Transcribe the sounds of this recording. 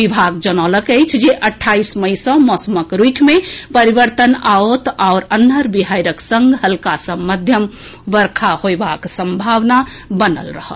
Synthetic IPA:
ibʱaɡ̚d͡ʒənɔləkəjt͡ʃʰd͡ʒeʔəʈʰːaisməjsə̃mɔsəməkɾukʰmepəɾiʋəɾt̪ənaot̪aʊɾənəɾbiɦajɾəksə̃ŋɡɦəlkasə̃məd̪ʱjəm | ʋəɾkʰahoebaksə̃mbʱaʋnabənə̰lɾə̰hə̰l

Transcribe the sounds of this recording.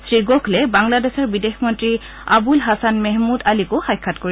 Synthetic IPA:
sɹiɡɔkʰlɛbaŋladɛsɔɹbidexmɔntɹi | abulɦasanmɛɦmudalikoxajkʰːatkoɹi

